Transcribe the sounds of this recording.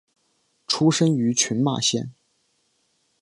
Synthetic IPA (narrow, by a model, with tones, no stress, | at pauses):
ʈ͡ʂʰu˥ʂə˥ŋy˧˥t͡ɕʰy˧˥nma̰˥˩ɕjɛ̰˥˩n